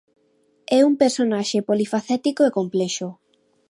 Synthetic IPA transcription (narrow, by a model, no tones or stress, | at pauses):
ɛumpeɾsonaʃepolifaθɛt̪ikoekomplɛʃo